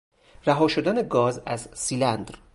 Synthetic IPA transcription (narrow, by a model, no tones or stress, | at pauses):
ræɦɒːʃod̪æneɡɒːzæzsiːlænd̪ɾ